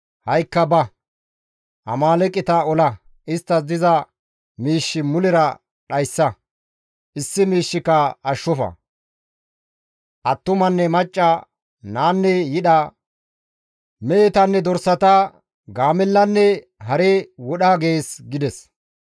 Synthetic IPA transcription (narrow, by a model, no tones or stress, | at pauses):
hɐjkːɐbɐ | ʔɐ̰maːlɛkʼːɪt̪ɐɔlɐ | ʔɪst̪ːɐs̬d̪ɪzɐ | miːʃːɪmʊlɛɾɐ | ɗɐjsːɐ | ʔɪsːɪmiːʃːɪkːɐɐʃːɔfɐ̰ | ʔɐt̪ːʊmɐnːɛmɐt͡ʃʼːɐ | naːnːɛjɪɗɐ | meːt̪ɐnːɛd̪ɔɾsːɐt̪ɐ | ɡaːmɛlːɐnːɛ | ɦɐɾewɔɗaːɡe̞ːsɡɪd̪ɛs